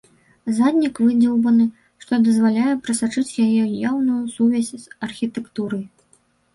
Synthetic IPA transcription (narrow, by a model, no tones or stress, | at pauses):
zad̪ʲnʲikvɨd͡zʲɛwbɐnɨ | ʂt̪ɔd̪ɐzvalʲajɛpɾɐsat͡ʂɨt͡sʲjajɛjawnujusuvʲasʲz̥ɐrxʲit̪ɛkt̪uɾɐj